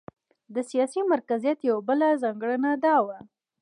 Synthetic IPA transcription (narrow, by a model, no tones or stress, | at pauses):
d̪əsijɑsimaɾkazijat̪jawabəlazɑŋɡɽənad̪ɑwa